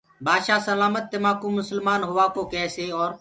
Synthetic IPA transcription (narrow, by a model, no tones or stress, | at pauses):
baːd̪ʃaːsəlaːmət̪̚ːeːmaːkũːmʊsəlmaːnɦoːʋaːkoːkɛːseːɔːɾ